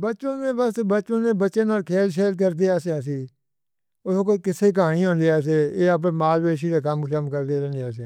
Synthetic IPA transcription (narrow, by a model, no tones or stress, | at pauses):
bəːt͡ʃõːnẽːbəsbəːt͡ʃõːnẽːbəːʃeːnaːlkʰeːlʃeːɾk̬əɾd̪eːaːseaːsiː | ʊsõːkoːkɪseːk̬aːɽ̃iːɦõːnd̪eːaːs̬eːeːəp̬ẽːmaːlʋeːʃ̬ideːkəmləmkəɾd̪eːɾɛ̃ːnd̪aːs̬ẽː